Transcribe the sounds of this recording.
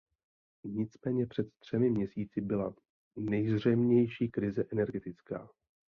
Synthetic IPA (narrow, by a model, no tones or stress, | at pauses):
ɲɪt͡smɛːɲɛpr̥ɛt̪t̪r̝̥ɛmɪmɲɛsiːt͡sɪbɪla | nɛjzr̝ɛmɲɛjʃiːkɾɪzɛʔɛnɛɾɡɛt̪ɪt͡ska̰ː